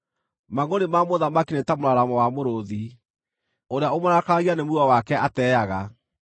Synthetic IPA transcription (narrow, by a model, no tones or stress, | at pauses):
maɣoɾemamoðamakinetamoɾaɾamɔwamoɾoði | oɾeaomaɾakaaɣianemuuawakɛʔatɛːjaɣa